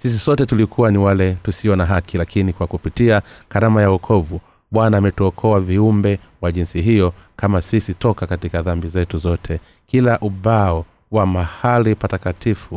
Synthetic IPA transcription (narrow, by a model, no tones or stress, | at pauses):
sis̬isɔtɛtulikʰuwaniwalɛtusiɔnaɦakilakinikwakupitiakaɾamajaɔkʰɔvu | ɓwanaːmɛtuɔkʰɔaviumbɛ | waʄinsiɦijɔkamasisitɔkakatikaðambizɛtuzɔtʰɛ | kilaʔuɓaɔ | wamahalipatakatʰifu